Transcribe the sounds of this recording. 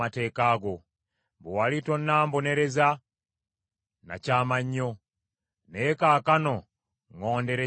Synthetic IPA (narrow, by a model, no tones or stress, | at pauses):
ate̞ːkaːɡo | βowalito̞nːaːmbone̞ɾe̞za | na̰caːmaɲːo̞ | nekaːkano̞ | ŋoːnde̞ɾe